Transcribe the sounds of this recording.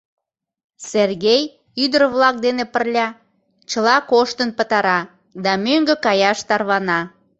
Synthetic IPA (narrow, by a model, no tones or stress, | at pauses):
serɣej | yd̪ərβlɑk̚d̪enepə̆rlʲɑ | t͡ɕəlɑkoʃt̪ənpə̆t̪ɑɾɑ | d̪ɑmøŋɡəkɑjɑʃt̪ɑrβɑnɑ